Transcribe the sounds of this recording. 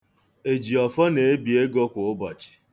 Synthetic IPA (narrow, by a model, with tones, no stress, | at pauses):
e˨d͡ʒi˨ɔ˨fɔ˦ne˨e˦bi˨e˦ɡo˦kʷʊ˨ʊ˦bɔ˨t͡ʃɪ̥˨